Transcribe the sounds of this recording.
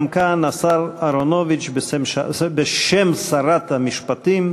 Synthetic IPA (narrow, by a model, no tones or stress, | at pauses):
mkanasaɾaɾonovit͡ʃbesemʃabeʃemsaɾat̪hamiʃpat̪im